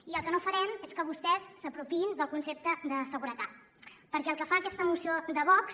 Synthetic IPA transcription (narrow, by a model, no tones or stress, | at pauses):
iəlˠkənofəɾɛmeskəβ̞ust̪ɛsːəpɾupind̪əlˠkunsep̚t̪əd̪əsəɣuɾət̪at̪̚ | pəɾkɛəlˠkəfaːkɛst̪əmusiod̪əβɔks